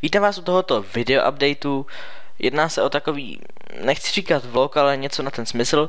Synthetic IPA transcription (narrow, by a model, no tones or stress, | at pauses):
viːt̪aːmvaːsʔut̪oɦot̪ovɪdɛoʔa̰b̚dɛjt̪u | jʔɛ̰dnaːsɛʔo̞t̪ako̞vḭː | nɛxt͡sɪr̝iːkat̪vlokalɛɲɛt͡sonat̪ɛnsmɪsl̩